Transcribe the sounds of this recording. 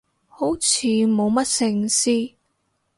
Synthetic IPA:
ho˨˥wt͡sʰiː˨˧mo˨˧wmɐ˥t̚sɪ˧ŋsiː˥

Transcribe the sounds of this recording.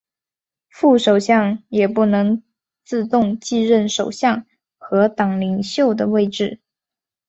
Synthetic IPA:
fu˥˩ʂo˨˩ʊɕjɑ˥˩ŋjɛ˨˩pu˥˩nɤ˧˥ŋ | t͡sɹ̩˥˧t̪ʊ˥˧ŋt͡ɕi˥˧ɻə˥˩nʂo˨˩ʊɕjɑ˥˩ŋ | xɤ˧˥t̪ɑ˨˩ŋli˨˩ŋɕjo˥˩ʊd̪ə˩we˥˧ɪʈ͡ʂɻ̩˥˩

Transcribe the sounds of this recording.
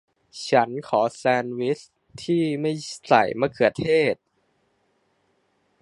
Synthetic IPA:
t͡ɕʰa˦˥nkʰɔː˩˦sɛː˧nwi˦˥s | t̪ʰiː˥˩ma˥˩jsa̰˨˩jmaː˧kʰɯ˨˩ɐ˦t̪ʰeː˥˩t̪̚

